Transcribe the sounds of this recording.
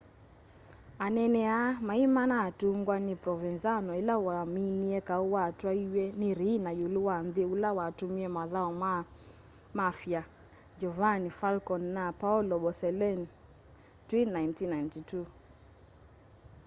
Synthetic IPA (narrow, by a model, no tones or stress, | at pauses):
anɛnɛamaimanatuŋɡwanipɾɔvɛnzanɔilawaːminiɛkauwatwaiwɛniɾinajuluwanðiulawaːtumiɛmaðaɔma | mafja | d͡ʒɔvanifalkɔnːapaulɔɓɔsɛlɛn | twinnajntinajntitu